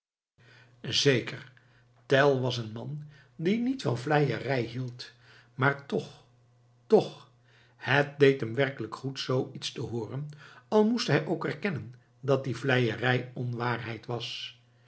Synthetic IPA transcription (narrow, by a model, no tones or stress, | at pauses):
zejkəɹ | tɛlˠʋɑsənmɑn | dinitfɑnvlɛjərɛjɦilˠt | maːɹtɔχ | tɔχ | hət̚dejtɦəmʋɛrkələkχutsowitstəɦʊːrənɑlˠmustɦɛjʔowkɛɹkɛnən | dɑt̚divlɛjərɛjɔnʋaːrɦɛjtʋɑs